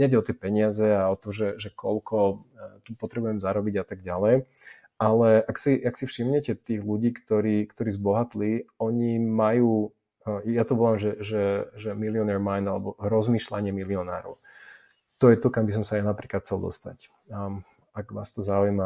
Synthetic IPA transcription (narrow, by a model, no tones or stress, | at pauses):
ɲɛdɟɛɔt̪ɛpɛɲɪazɛaɔt̪ɔmʒɛʒɛkʰɔʎkʰɔt̪upɔt̪ɾɛbujɛmzaɾɔbiɟat̪aɡɟalɛj | alɛʔaksiaksifʃimɲɛcɛt̪iːɣluɟiːkt̪ɔɾiːkt̪ɔɾiːzbɔɦat̪liɔɲimajuː | jat̪ɔʋɔlamʒɛʒɛʒɛmiliɔnɛɾmajnd̪alɛbɔɾɔzmiːʃlaɲɪɛmiliɔna̰ːɾɔ̰ʊ | t̪ɔjɛt̪ɔkambis̬ɔmsajanapɾiːklat̪xʰt͡sɛlˠd̪ɔ̰st̪a̰c | aɡʋa̰ːst̪ɔzaujma